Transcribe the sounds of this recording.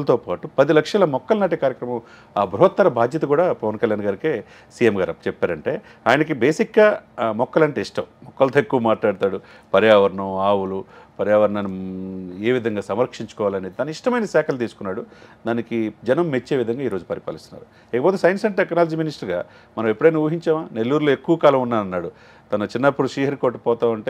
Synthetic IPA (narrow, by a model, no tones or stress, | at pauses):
lt̪oːpaːʈupɐd̪ilɐkʂɐlɐmɔkːɐlnaːʈikaːɾjɐkɾɐmɐ̃m | aːbɾuɦɐt̪ːɐɾɐbʱaːd̪jɐt̪ɐkuːɽaːpɐʋɐnkɐljaːnɡaːɾikeː | siːjemɡaːɾɐt͡ʃɛpːaːɾɐɳʈe̞ː | aːjɐnɐkibeːsikɡaːmɔkːɐlɐɳʈeːiʂʈɐmːɔkːɐlt̪oekːuʋɐmaːʈlaːɽt̪aːɽu | pɐɾjaːʋɐɾɐɳɐmaːwulupɐɾjaːʋɐɾɐɳanueːʋid̪ʱɐŋɡaːsɐmɾɐkʂiɲt͡ʃu̥kɔːʋaːlɐneːd̪it̪ɐnuiʂʈɐmɐjnɐsɛːkʰɐlt̪̬iːsu̥kunːaːɽud̪aːnikid͡ʒɐnɐmːet͡ʃːe̞ːʋid̪ʱɐŋɡaːiːɾo̞ːd͡ʒupɐɾipa̰ːlist̪unːa̰ːɾu | ɛːkɐpot̪e̞ːsɐjɐnsɐɳʈeknaːlɐd͡ʒiːminisʈɐɾɡa̰ː | mɐnɐmepːuɽɐjnaːuːɐɦiɲt͡ʃaːmaːne̞lːuːɾuloːe̞kːuʋɐkaːlɐmunːaːɾɐnːaːɽu | t̪ɐnɐt͡ʃinːɐpːuɽuʃiːɦɐɾkoːɾʈupɔːt̪aːmɐɳʈeː